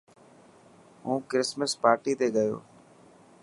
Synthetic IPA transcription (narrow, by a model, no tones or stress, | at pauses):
ɦũːkɾɪsməspaːɾʈiːt̪eːɠəjo̰ː